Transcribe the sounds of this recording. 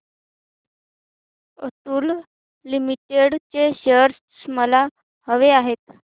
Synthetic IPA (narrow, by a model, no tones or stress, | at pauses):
ə̰t̪uːl | limiʈeɽt͡ɕeɕəɾs | sməla | həʋeaɦet̪